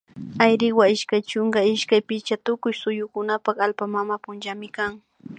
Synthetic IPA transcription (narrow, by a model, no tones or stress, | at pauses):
ajɾɪwaɪʃkajt͡ʃʊŋɡaɪʃkajpɪt͡ʃat̪ʊkʊjsʊjʊkʊnapɑχalpamamapʊnt͡ʃamɪkaŋ